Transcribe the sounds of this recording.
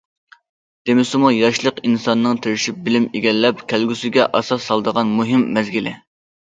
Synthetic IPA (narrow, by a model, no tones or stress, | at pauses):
d̪̥emɪsɪmujɑʃlˠəqinsɑnːɨŋt̪ʰeɾɪʃip̚bɪlɪmeɡʲɛlːɛp̚kʲʰælɡʲysɪɡʲɛʔɑsɑsːɑlˠd̪əʁɑnmuɦɪmːɛzɡʲilɪ